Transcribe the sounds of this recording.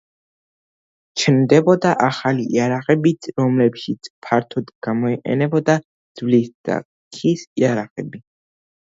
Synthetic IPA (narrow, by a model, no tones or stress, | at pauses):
t͡ʃʰnd̪ɛbɔd̪aʔaχaliʔiaɾaqʼɛbiɾɔmlɛpʃit̪sʰpʰaɾt̪ʰɔd̪ɡ̥amɔiqʼɛ̰nɛbɔd̪a | d̪z̥vlisd̪̥a̰ | kʰisiaɾaqʼɛbi